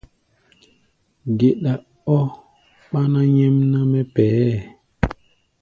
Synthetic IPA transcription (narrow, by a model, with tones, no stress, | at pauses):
ɡe˨ɗa˨ | ɔ˦ | ɓa˦na˦ɲɛ˦mna˦mɛ˦pɛ˨˦